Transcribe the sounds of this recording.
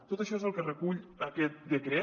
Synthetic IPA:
t̪ot̪əʃɔezəlˠkərəkuʎəkɛt̪̚d̪əkɾɛ

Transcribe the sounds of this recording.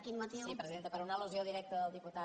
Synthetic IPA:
kinumɐt̪iipɾəziðent̪əpəɾunaluzjoðiɾɛk̚t̪əːlˠd̪iput̪a

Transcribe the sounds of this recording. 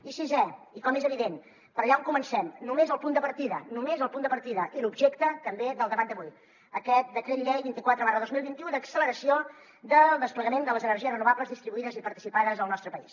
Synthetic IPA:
isizɛikɔmezəβiðen | pəɾəʎaoŋkumənsɛmnumezəlˠpund̪əpəɾt̪iðənumezəlˠpund̪əpəɾt̪iðəʔilubʒekt̪ət̪əmbeðəlˠd̪əβat̪d̪əβuj | əkɛt̪̚d̪əkɾeðilɛβint̪ikwat̪ɾəβaɾəðozmilˠβint̪iuðəksələɾəsio | d̪əlˠd̪əspləɣəmend̪ələzənərʒiərənuβabləzðist̪ɾiβuiðəzipəɾt̪i̥sipaðəzəlˠnɔst̪ɾəpəḭs

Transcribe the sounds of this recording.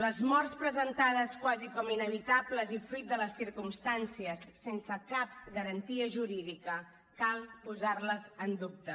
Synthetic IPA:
ləzmɔrspɾəzənt̪aðəskwazikɔminəβit̪abləzifɾit̪̚d̪ələsiɾkumst̪ansiəsːensəkap̚ɡəɾənt̪iəʒuɾiðikə | kalˠpuzarləzənd̪up̚t̪ə

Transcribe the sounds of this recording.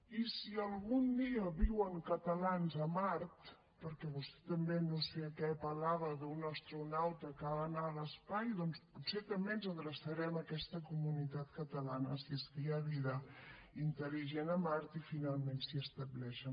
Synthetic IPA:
isiəlˠɣund̪iəβiwəŋkət̪əlanzəmaɾt̪ | pəɾkɛβust̪ɛ̥t̪əmbenoseəkɛpəlaβəðunəst̪ɾunawt̪əkəβanaələspajðɔnsput̪set̪əmbenzəɣɾəsəɾɛməkɛst̪əkumunit̪at̪kət̪əlanəsiəst̪iaβiðəint̪əliʒenəmaɾt̪ifinalˠmensiəst̪əβlɛʃə

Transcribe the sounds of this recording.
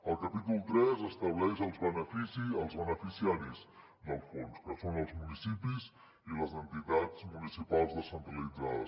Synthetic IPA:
əlˠkəpit̪ulˠt̪ɾɛzəst̪əβlɛʃəlˠzβənəfisiəlˠzβənəfisiaɾiz | d̪əlˠfonskəsonəlˠzmunisipiz | iləzənt̪it̪ad͡zmunisipalˠzðəsənt̪ɾəlid͡zaðə̰s

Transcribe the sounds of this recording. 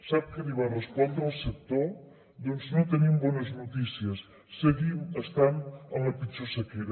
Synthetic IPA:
saβ̚kɐliβarespɔnd̪ɾawsek̚t̪oɾ | d̪onsnõt̪enimbɔnɐznut̪isjɐsː | eɣiwɐst̪anaŋɐpit͡ʃusɐkeɾɐ

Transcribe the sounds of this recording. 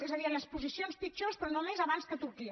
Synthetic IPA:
ɛzəðiənəspuzisionspit͡ʃospɾɔnomezəβanskət̪uɾki

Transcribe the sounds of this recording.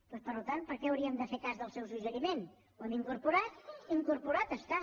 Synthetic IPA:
pɔspəɾlut̪ant̪̚pəɾkɛəwɾiəmd̪əfekazðəlˠsɛwsuʒəɾimen | wɛmiŋkuɾpuɾat̪̚iŋkuɾpuɾat̪əst̪a

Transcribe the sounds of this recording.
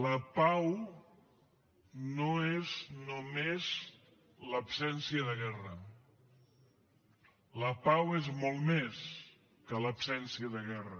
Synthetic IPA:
ləpaw | noeznomez | ləpsɛnsiəðəɣɛrə | ləpawezmolˠmes | kələpsɛnsiəðəɣɛrə

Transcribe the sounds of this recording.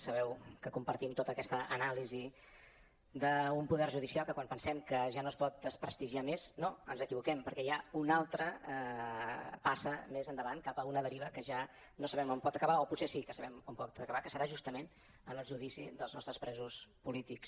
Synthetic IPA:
səβɛwkəkumpəɾt̪imt̪ot̪əkɛst̪əʔənalizi | d̪əumpuðɛrʒuðisialˠkəkwampənsɛmkəʒanoəspɔt̪̚d̪əspɾəst̪iʒiameznoənzəkiβukɛmpəɾkɛjaunalˠt̪ɾə | pasəmezənd̪əβankapəunəðəɾiβəkəʒa | nosəβɛmompɔt̪əkəβaoputsesikəsəβɛmompɔt̪əkəβakə̥səɾaʒust̪əmen | ənəlˠʒuð̞isiðəlznɔst̪ɾəspɾɛzuspulit̪iks

